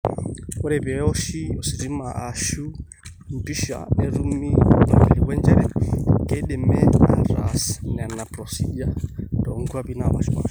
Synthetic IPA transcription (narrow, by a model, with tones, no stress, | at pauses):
ɔ˦ɾɛ˨βɛ˨ɔ˦ʃi˦ɔ˨si˨ɾi˦ma˨ʔa˨ʃu˦ | m̩˨pi˦ʃa̰˨ɛ˦ɾu˦mi˦nɔ˨lɛ˨wɛ˦nd͡ʒɛ˦ɾɛ˦kɛɗɛ˨mɛ˦a̰˨ɾasnɛ˨a˨na˨pɾɔsi˦d͡ʒa˦dɔ˨ŋɡua˦βinaβa̰˨ʃima̰˨